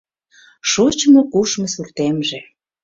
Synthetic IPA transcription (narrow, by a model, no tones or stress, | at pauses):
ʃut͡ɕmokuʃmɤsurt̪emʒe